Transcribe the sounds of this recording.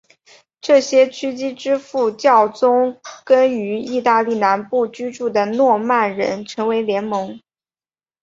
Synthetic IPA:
ʈ͡ʂɤ˥˩ɕjɛ˥t͡ɕʰy˥t͡ɕi˥ʈ͡ʂɻ̩˥fu˥˩t͡ɕjɑ˥˩ʊt͡sʊ˥ŋkə˥ny˧˥i˥˧t̪a˥˧li˥˩na˧˥npu˥˩t͡ɕy˥ʈ͡ʂu˥˩d̪ə˩nwɔ˥˧ma˥˩nɻə̰˧˥nʈ͡ʂʰɤ˧˥ŋwe˧˥ɪljɛ˧˥nmɤ˧˥ŋ

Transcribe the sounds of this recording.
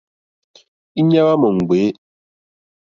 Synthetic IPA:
i˦ɲa˦wa˦mɔ˨ŋ̩˨ɡe˨˦

